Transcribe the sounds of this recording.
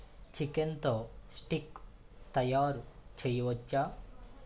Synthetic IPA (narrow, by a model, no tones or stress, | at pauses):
t͡ɕʰikent̪ɔsʈik | t̪ɐjaɾt͡ɕʰəjʋɔt͡ɕːa